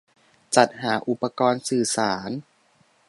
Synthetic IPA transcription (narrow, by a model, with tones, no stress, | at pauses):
t͡ɕa˨˩t̪̚ɦaː˩˦ʔu˨˩pːa˧kɔː˧nsɯː˨˩saː˩˦n